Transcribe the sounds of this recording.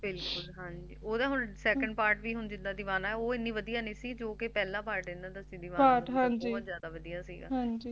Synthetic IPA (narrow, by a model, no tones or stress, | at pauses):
bɪlkʊlɦãːɲd͡ʒiːoːd̪ãːɦʊnsɛːkə̃ɳɖ̚paːɾʈʋiːɦʊnd͡ʒɪd̪ãːd̪ɪʋaːnaːɛoːɪnːiːʋəd̪ijaːnẽːsiːd͡ʒoːkɪpɛːlãːpaːɾʈd̪ẽːnd̪aːt̪asĩːd̪ɪʋaːaːʈɦãːɲd͡ʒiːbɔːt̪zjaːd̪aːʋəd̪ijaːsḭːɡa̰ːɦãɲd͡ʒiː